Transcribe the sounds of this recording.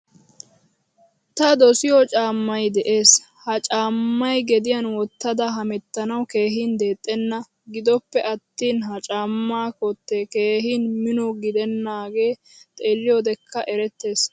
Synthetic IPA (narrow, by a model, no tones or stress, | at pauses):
t̪ɐd̪ɔsɪjɔt͡ʃʼaːmːɐjd̪ɛʔe̞ːs | hɐt͡ʃʼaːmːɐjɡɛd̪ɪjɐnwɔt̪ːɐd̪ɐɦɐmɛt̪ːɐnɐwke̞ːɦiːnd̪e̞ːt̪ʼːɛnːɐ | ɡɪd̪ɔpːɛʔɐt̪ːiːnɦɐt͡ʃʼaːmːaːkɔt̪ːeke̞ːɦinmɪnɔɡɪd̪ɛnːaːɡe̞ː | t̪ʼeːlːɪjɔd̪ɛkʰːɐʔɛɾɛt̪ːe̞ːs